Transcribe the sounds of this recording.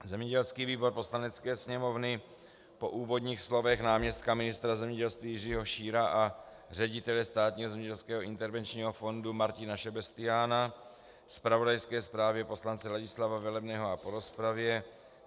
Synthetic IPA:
zɛmɲɛɟɛlskiːviːbo̞ɾpo̞slanɛt͡skɛːsɲɛmo̞vnɪ | po̞ʔuːvo̞dɲiːxslo̞vɛxnaːmɲɛst̪̚kamɪnɪst̪ɾazɛmɲɛɟɛlst̪viːjɪriːɦoʃiːɾaʔa | r̝ɛɟɪt̪ɛlɛst̪aːt̪ɲiːɦozɛmɲɛɟɛlskɛːɦoʔɪnt̪ɛɾvɛnt͡ʃɲiːɦofo̞ndumaɾcɪnaʃɛbɛst̪ɪjaːna | spɾavodajskɛːspɾaːvjɛpo̞slant͡sɛlaɟɪslavavɛlɛbnɛːɦoapo̞ɾo̞spɾavjɛ

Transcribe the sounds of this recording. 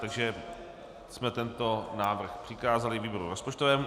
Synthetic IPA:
t̪aɡʒɛ | smɛt̪ɛnt̪o̞naːvr̩xpr̥ɪkaːzalɪviːboɾṵɾospot͡ʃt̪ovɛːmu

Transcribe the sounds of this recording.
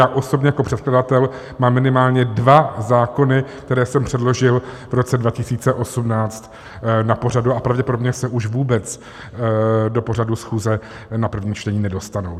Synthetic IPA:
jaːʔo̞so̞bɲɛjako̞pr̝ɛt̪̚kladat̪ɛl | maːmːɪnɪmaːlɲɛdvazaːko̞nɪk̚t̪ɛɾɛːsɛmpr̝̥ɛdlo̞ʒɪl | vɾo̞t͡sɛdvacɪsiːt͡sɛʔo̞sumnaːt͡st̪ | napo̞r̝aduapɾavɟɛpo̞dobɲɛsɛʔuʃvuːbɛt͡s | do̞po̞r̝adusxuːzɛ | napr̩vɲiːmt͡ʃt̪ɛɲiːnɛdo̞st̪anow

